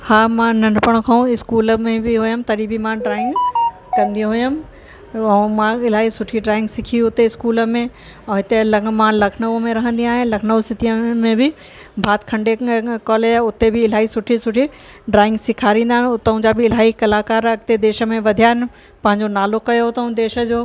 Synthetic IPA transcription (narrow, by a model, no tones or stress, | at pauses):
haːmãnɐɳɖpəɽ̃kʰãũɪskuːləmẽbɪɦujəmt̪ɐɗibɪmãɖɾaːɪ̃ŋɡ | kɐ̃nd̪ĩɦʊjəm̃ | mãɪl̤aːɦisʊʈʰiɖɾaːɪ̃ŋɡsɪkʰiʊt̪eɪskuːləmẽ | ɛ̃ːɦɪt̪elɐmãlɐkʰnəʋmẽɾɐɦə̃nd̪ĩaːɦɪ̃lɐkʰnəʋsɪt̪ijəmẽbɪ | bʱaːt̪kʰɐ̃ɳɖekɔːleːʊt̪ebɪɪlaːɦisʊʈʰisʊʈʰi | ɖɾaːɪ̃ŋɡsɪkʰaːɾĩːnd̪aːɦɪnʊt̪əɦũd͡ʑabɪːl̤aːɦikɐlaːkaːɾɐɡ̚t̪ed̪eːʃə̆mẽʋɐd̪ʱijaːɪn | pɐ̃ɦɪ̃ɲd͡ʑonaːlokɐjoʊt̪ɐũd̪eːʃə̆d͡ʑoː